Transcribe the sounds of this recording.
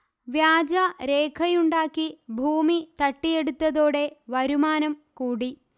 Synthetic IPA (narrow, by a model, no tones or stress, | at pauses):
ʋjaːd͡ʑɐɾeːkʰɐjuɳɖaːkːibʱuːmit̪ɐʈːije̞ɽut̪ːɐðoːɽe̞ʋɐɾumaːnɐmkuːɽi